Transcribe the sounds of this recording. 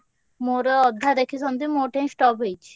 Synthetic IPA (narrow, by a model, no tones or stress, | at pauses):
moɾɔd̪ʱːad̪ekʰisɔnt̪imoʈẽj̃sʈɔpejt͡ɕʰ